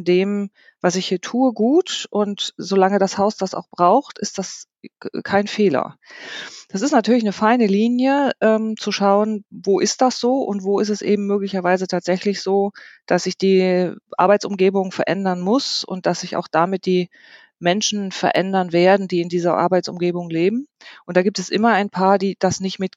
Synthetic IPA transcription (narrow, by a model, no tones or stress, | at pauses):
ndeːm | vasɪçhiːɐtʰuːəɡuːtʔʊntz̥olaŋədashaʊsd̥asa̰ʊxb̥ʁaʊxtɪstd̥as | kʰaɪnfeːlɐ̰ | d̥asɪstnatʰyːɐlɪçnəfaɪnəliːnjəʔɛːmt͡suʃaʊənvoːʔɪst̚d̥asz̥oːʔʊ̰ntv̥oːɪstɛsʔḛːbm̩mːøːklɪçɐvaɪzətʰaːtz̥ɛçlɪçz̥oːd̥asz̥ɪçd̥iːʔa̰ɐbaɪt͡sʊmɡeːbʊŋfɛɐʔɛ̰ndɐnmʊsʊ̰nt̚d̥asz̥ɪça̰ʊxd̥amɪt̚d̥iː | mɛnʃn̩fɛɐʔɛndɐnveːɐdn̩diːɪndiːzɐʔa̰ɐbaɪt͡sʊ̰mɡeːbʊŋleːbm̩ | ʔʊntd̥aːɡiːptɛsʔɪmɐaɪnpʰaːɐdiːd̥asnɪçtmɪt